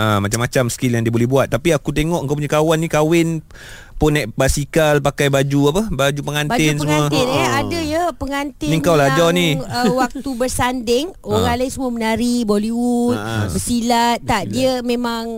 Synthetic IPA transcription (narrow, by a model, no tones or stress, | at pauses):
ʔamat͡ʃamːat͡ʃamskiljaŋdiəbolɛhbuat̪̚ːapiakut̪eŋɔʔŋkawp̬uɲakawanːikawɪn | pʊnːaʔbasikalpakajbad͡ʒuapabad͡ʒupəŋanbaɪnsəmmuət̪neadəjəpəŋant̪ɪniŋkawlad͡ʒaniəwak̚t̪ubərsandɪŋ | oɾalaisəmuəmənaɾiboliwut̪̚bəsilat̪̚ːaʔdiəmemãŋ